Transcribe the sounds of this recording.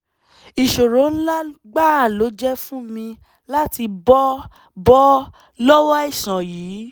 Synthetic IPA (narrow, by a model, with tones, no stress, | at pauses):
i˨ʃo˨ɾõ˨˦la˦ɡ͡ba˦˨lo˨˦d͡ʒɛ˦fũ˦mĩ˧ | la˦ti˧bɔ˦ | bɔ˦ | lɔ˦wɔ˦i˦˨sã˨jiː˨˦